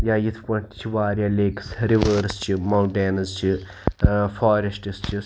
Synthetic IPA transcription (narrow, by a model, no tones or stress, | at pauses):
jaːjit̪ʰpɐɳʈt͡ʃʰiʋaːɾʲjaːleːksɾiʋəːɾst͡ʃʰimɐwʈeːnɐzt͡ʃʰi | faːɾesʈist͡ʃʰi